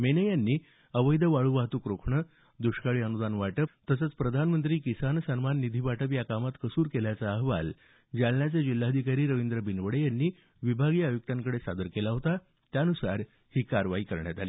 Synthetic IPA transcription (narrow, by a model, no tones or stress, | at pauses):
menəjanːiː | əʋəjd̪ʱəʋaɭuːʋaɦt̪uːkɾokʰɳə | d̪uɕkaɭiːənud̪anʋaʈəpt̪əsət͡spɾəd̪ʱanmənt̪ɾiːkisansənmanːid̪ʱiːʋaʈəpjakamat̪kəsuːɾkeljat͡saəɦʋa̰l | d͡ʑaɭɳjat͡sed͡ʑilːad̪ʱikaɾiːɾəʋind̪ɾəbinʋəɽejanːiː | ʋibʱaɡiːəjuk̚t̪aŋkəɽesa̰d̪əɾkelaɦot̪a | t̪janusa̰ɾ | hiːkaɾʋaiːkəɾɳjat̪aliː